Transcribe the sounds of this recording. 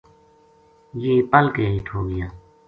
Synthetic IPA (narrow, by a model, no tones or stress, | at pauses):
jeːpəlkeːɦiːʈʰɦoːɡɪjaː